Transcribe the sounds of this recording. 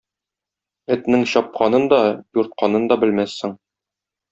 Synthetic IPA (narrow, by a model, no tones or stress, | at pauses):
ɘ̆t̪nɘŋɕɒp̚qɑnɤnd̪ɒjuɾt̪̚qʰɑnɤnd̪ɒbɘ̆lmæsːɘŋ